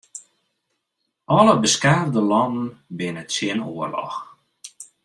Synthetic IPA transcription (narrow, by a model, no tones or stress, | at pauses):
ɔləbəskardəlɔnən̩bɪnəsɪənuərlɔ̰x